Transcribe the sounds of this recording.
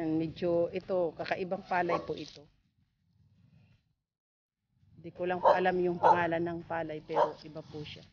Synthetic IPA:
mɛd͡ʒoʔɪt̪o̞kɐkɐʔɪbaŋpaːlɐjpoʔɪt̪o̞ | ɪnd̪ikolɐŋpoʔɐlamjʊŋpɐŋaːlɐnːɐŋpaːlɐjpɛːɾo̞ʔɪbapʊʃa

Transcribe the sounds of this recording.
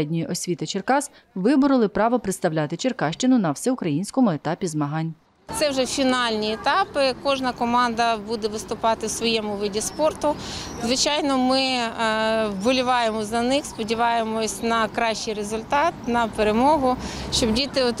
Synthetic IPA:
ɛdʲnʲijiʔɔsʲʋʲit̪ɪt͡ʃerkɑs | ʋɪbʊɾɪlˠɪpɾɑʋɔpɾɪt̪st̪ɐwlʲat̪ɪt͡ʃerkɑʃt͡ʃɪnʊnɐwsɛʊkɾɐjinʲsʲkɔmʊet̪ɑpʲizmɐɦɑnʲ | t̪sɛwʒɛfʲinɑlʲnʲiet̪ɑpɪkɔʒnɐkɔmɑnd̪ɐbud̪ɛʋɪst̪ʊpɑt̪ɪwsʋɔjɛmʊʋɪdʲispɔrt̪ʊzʋɪt͡ʃɑjnɔmɪ | bɔlʲʊʋɑjemɔzɐnɪxspɔdʲiʋɑjemɔsʲnɐkɾɑʃt͡ʃijrezʊlʲt̪ɑt̪̚nɐpeɾemɔɦʊʃt͡ʃɔbdʲit̪ɪɔt̪

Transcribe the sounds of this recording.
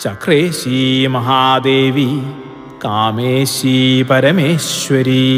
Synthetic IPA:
t͡ʃɐkɾeːʃiːmɐɦaːd̪eːʋi | kaːmeːʃiːpɐɾɐmeːʃʋɐɾi

